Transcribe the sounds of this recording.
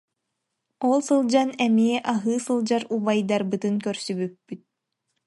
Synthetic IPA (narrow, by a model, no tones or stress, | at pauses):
ɔlˠsɯlˠd͡ʑanɛmiɛʔaɦɯːsɯlˠd͡ʑaɾubajd̪aɾbɯt̪ɯnkœɾsybypːyt̪̚